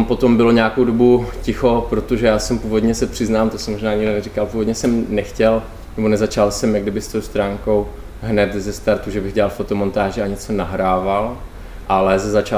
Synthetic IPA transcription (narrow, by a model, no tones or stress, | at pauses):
mpo̞t̪o̞mbɪloɲɛakowdo̞bucɪxo̞pɾot̪o̞ʒɛjaːsɛmpuːvo̞dɲɛsɛpr̝̥ɪznaːmt̪osɛmːoʒnaːɲɪɡdonɛrikalpuːvo̞dɲɛsɛmnɛxcɛl | nɛbo̞nɛzat͡ʃalsɛmjaɡdɪbɪst̪owst̪ɾaːŋko̞w | ɦnɛt̪zɛst̪aɾt̪uʒɛbɪɣɟɛlalfo̞t̪o̞mo̞nt̪aːʒɛaɲɛt͡so̞naɦɾaːval | ʔalɛzɛzat͡ʃa